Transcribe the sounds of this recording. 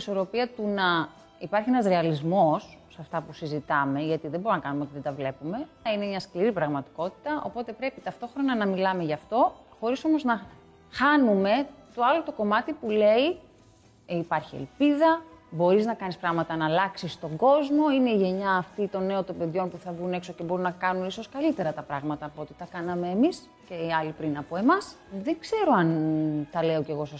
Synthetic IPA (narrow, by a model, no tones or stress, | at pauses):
so̞ɾo̞piɐt̪unɐ | ipɐɾçienɐzɾeɐlizmo̞sːɐft̪ɐpusizit̪ɐme̞ʝɐt̪iðe̞bo̞ɾonɐkɐnumeo̞t̪iðe̞d̪ɐvle̞pume̞ | ine̞mɲɐskliɾipɾɐɣmɐt̪i̥ko̞t̪i̥t̪ɐʔo̞̰po̞t̪e̞pɾe̞pit̪ɐft̪o̞xɾo̞nɐnɐmilɐme̞ʝɐːft̪o̞xo̞ɾiso̞mo̞znɐ | xɐnume̞t̪oɐlot̪oko̞mɐt̪ipule̞i | ipɐɾçiḛlpiðɐbo̞ɾiznɐkɐnispɾɐɣmɐt̪ɐnɐlɐksist̪o̞ŋɡo̞zmo̞ine̞iʝe̞ɲɐːft̪it̪o̞ne̞ot̪o̞be̞ðʝo̞npuθɐvɣune̞kso̞ce̞bo̞ɾunːɐkɐnuniso̞skɐlit̪e̞ɾɐt̪ɐpɾɐɣmɐt̪ɐːpoot̪i̥t̪ɐkɐnɐme̞ːmis | ce̞ɐlipɾinɐpo̞e̞mɐs | ðeŋɡse̞ɾo̞ɐnt̪ɐle̞oce̞ɣo̞sos